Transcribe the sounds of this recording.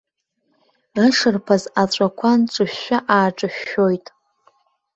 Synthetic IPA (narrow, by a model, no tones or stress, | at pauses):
əʂɨrpʰazat͡ɕʷʼakʷʰant͡ʃʷʼɨʃːaʔaːʈ͡ʂʼɨʃo̞jtʼ